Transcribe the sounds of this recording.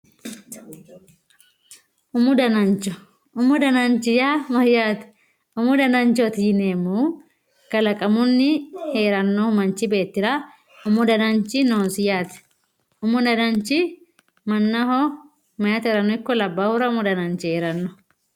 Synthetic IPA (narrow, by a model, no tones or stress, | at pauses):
ʔʊmʊd̪ɐnɐnt͡ʃːɔ | ʊmʊd̪ɐnɐnt͡ʃɪjamɐjːaːt̪ɛ̥ | ʊmʊd̪ɐnɐnt͡ʃɔt̪iːneːmːuː | kɐlɐkʼɐmʊnːɪhe̞ːɾɐnːohmɐnt͡ʃɪbe̞ːt̪ːɪɾa | ʊmʊd̪ɐnɐnt͡ʃɪnoːnsɪjaːt̪ɛ̥ | ʊmʊd̪ɐnɐnt͡ʃɪ | mɐnːɐhɔ | mɐjaːt̪ɛɾɐnːɔɪkːɔlɐbːaːhʊɾɐʊmʊd̪ɐnɐnt͡ʃɪhe̞ːɾɐnːɔ